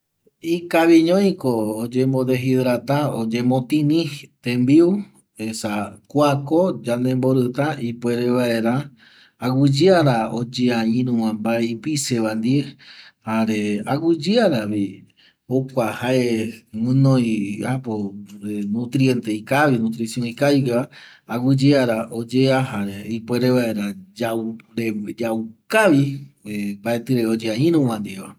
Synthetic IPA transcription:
ikaβiɲõj̃koːd͡ʒẽmbod̪eɦiðɾat̪aod͡ʒẽmõt̪ĩnĩht̪ẽmbiu | esakʷakod͡ʒanẽmboɾɨt̪aipwe̞ɾeβaeɾa | awud͡ʒɨaɾaod͡ʒeãĩnũwãmbajpiseβand̪iehaɾea̰wud͡ʒeaɾaβi | okʷahaʔemɨ̃nõj̃apoɾenũt̪ɾient̪ejkaβinũt̪ɾisjõikajɡa | aɡɨd͡ʒeaɾaʔod͡ʒeahaɾeipweɾeʋaeɾad͡ʒaɾed͡ʒawkaʋi | mbaet̪ɨɾeod͡ʒeãĩɾũwãnd̪ieβa

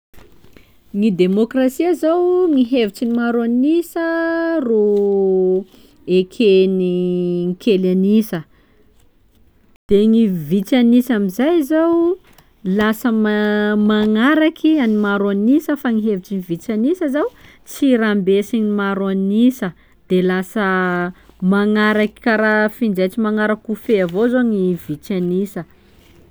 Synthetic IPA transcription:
ŋid̪emokrasiazawŋiɦevit͡sinimaɾoanisəro | ekʰeniŋkʰʲelanisə | d̪̥eŋivit͡sanisamizajzaw | lasəmmaŋaɾakianimaɾanisəfaŋiɦevit͡ʃinivit͡sanisəazaw | t͡siɾambesinimaɾanisə | d̪̥elasə | maŋaɾaki̥kaɾafind͡ʒat͡simaŋaɾakufeavozoŋivit͡sanisə

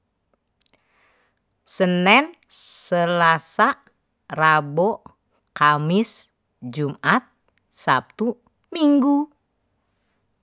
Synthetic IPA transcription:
sənɛn | səlasa | rabɔ | kamis | d͡ʒumat̪̚ | sap̚t̪u | miŋɡu

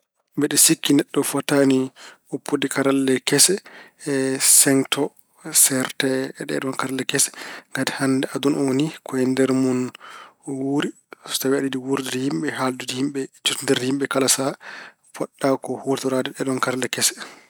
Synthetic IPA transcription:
bɛɗɛsikːinɛɗːɔfatani | opʰːodikaɾalːɛkɛsɛ | sɛŋtʰɔ | sɛɾtɛɗɛ̰ɗɔnkaɾalːɛkɛsɛ̥ŋɡati̥handɛʔadunʔɔwonikʰɔɛndɛɾmun | wuɾi | sɔ̥tawɛaɗidiwuɾdidhimɓɛɦaldudihimɓɛt͡ʃutundɛɾdhimɓɛkalasa | fɔɗːakɔhuɾtɔɾadɛɗɛɗɔnkaɾalɛkɛsɛ̥

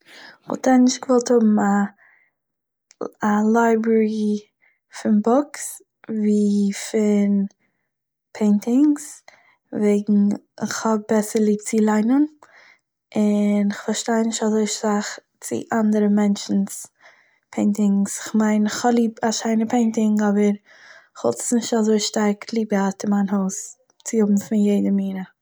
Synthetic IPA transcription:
χɔ̰tʰɛnɪʃtɡ̥əvɔlˠthʊbm̩a | alˠaɪbɾɛɾi | fɪnbɔks | viːfɪn | pʰeɪntɪŋs | veɪɡŋ̩ | ɪ̰χhɔb̚bɛsəlˠiːb̚t͡silˠaɪnən | ɪnɪχfaɾʃtaɪnɪʃtazoɪʃtaχ | t͡sɪ̰ʔandəɾəmɛnt͡ʃn̩s | pʰeɪntɪŋsɪχmaɪnɪχhɔlˠiːpaʃaɪnəpʰeɪntɪŋɔbəɾ | ɪχvɔ̰lˠtə̥snɪʃtazoɪʃtaɾklˠiːbəatɪnmaɪnhoʊs | t͡sɪhʊbm̩fɪnjeɪdəmiːɾə

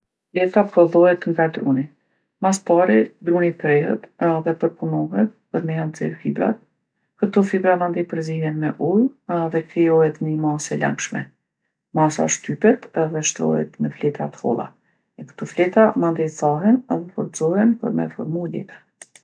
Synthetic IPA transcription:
flɛt̪apɔðɔɦɛt̪ŋɡad̪ɾuni | maspaɾid̪ɾunip̪ɾɛɦə̰t̪ðɛpəɾpunɔɦɛt̪̚pəɾmɛjanzɛ̰ɾfibɾa̰t̪̚ | kət̪ɔfibɾamand̪ɛpəɾziɦɛnmɛʔulˠðɛkɾɛjɔhɛt̪ɲəmasɛla̰ŋkʃmɛ̰ | masa̰ʃt̪ypɛt̪ɛðɛʃt̪ɾɔ̰ɦɛ̰t̪məflɛt̪at̪ə̥hɔ̰lˠa̰ | ɛkə̥t̪ɔflɛt̪amand̪ɛsaɦɛnɛðɛfɔɾt̪zɔɦɛnpə̰ɾmɛ̰fɔ̰ɾmudɛ̰t̪ɛ̥

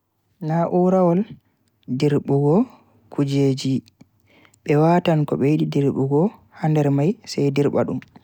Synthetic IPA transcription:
naʔuɾawɔl | diɾɓuɡɔ | kud͡ʒeːd͡ʒi | ɓɛwatankɔɓɛwiɗidiɾɓuɡɔhandɛɾmajsajdiɾɓa̰ɗṵm

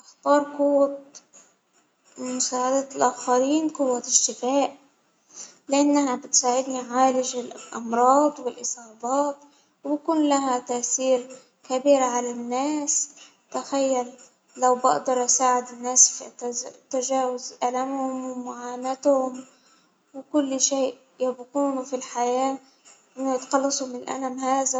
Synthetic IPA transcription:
ʔɪxt̪ˤɑːɾˤqʊwːa | mʊsaːʕad̪alʔaxaɾiːnqʊwːaɪʒt̪ɪfaːʔ | lɪʔanːahabɪt̪saːʕɪd̪niʕaːlɪʒɪlʔɑmɾˤɑːd̪ˤwɪlʔɨsˤɑːbɑːt̪̚ˤ | wbakuːnlaɦat̪aːʔθiːɾ | kabiːɾʕalanːaːs | t̪axajːalː | awbɪ̰ʔd̪ɑɾˤʔasaːʕɪd̪ɪnːaːsft̪ːaʒaːwazʔalamhʊmwmʊʕaːmat̪hʊm | wɪkʊlːʃeːʔ | jabquːnufilħajaː | ʔɪnːjɪt̪xɑlːɑsˤumɪnɪlʔa̰lamhaːza

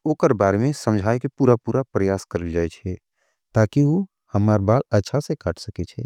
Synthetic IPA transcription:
oːkəɾbaːɾemẽsə̃md͡ʒʱaːjkepuːɾapuːɾapɾəjaːskəɾəld͡ʒaːet͡ʃʰɛ | t̪aːkioː | hɐmaːɾbaːlɐtːʃʰasekaːʈʰsɐket͡ʃʰɛː

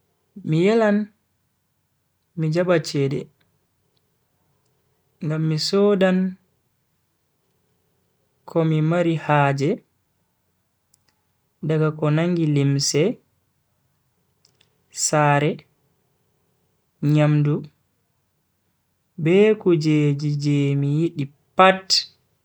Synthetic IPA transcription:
mijɛlan | mid͡ʒabat͡ʃɛdɛ̰ | ŋɡamːisɔːdan | kʰɔmimaɾihaːd͡ʒɛ | daɡakɔnaŋɡilimsɛ | saɾɛ | ɲamdu | bɛkud͡ʒed͡ʒid͡ʒɛmijiɗi | pat

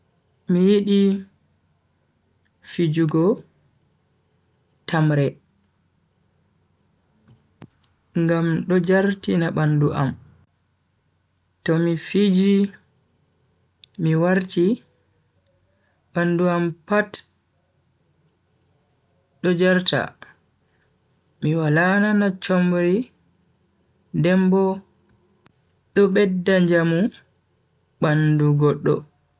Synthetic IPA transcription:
mijiɗi | fid͡ʒuɡɔ | tamɾɛ | ŋɡamɗɔd͡ʒaɾtinaɓanduʔam | tɔmifid͡ʒi | miwaɾti | ɓanduampat | ɗɔd͡ʒaɾta̰ | miwalananat͡ʃɔmbɾi | dɛmbɔ | ɗɔɓɛdːaɲd͡ʒamu | ɓanduɡɔɗːɔ̰

